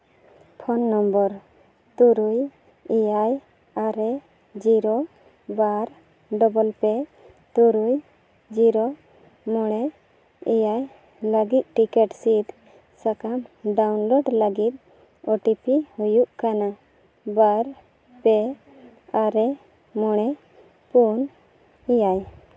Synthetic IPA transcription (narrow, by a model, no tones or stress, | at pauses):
pʰɔnːɔmbɔɾ | t̪uɾuj | ijaj | aɾɛ | d͡ʒiɾo | baɾ | ɖɔbɔlpɛ | t̪uɾuj | d͡ʒiɾɔ | mɔɽ̃ɛ | ijaj | ləɡit̪̚ʈikɛʈsit̪ | sakamɖawnlɔɖləɡit̪̚ | ɔʈipihujuʔkana | baɾ | pɛ | aɾɛ | mɔɽ̃ɛ | pun | ijaj